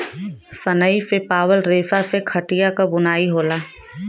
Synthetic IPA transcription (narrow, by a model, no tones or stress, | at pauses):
sɐnəisepaːwəlɾeːsasekʰɐʈijakabʊnaːiɦoːlaː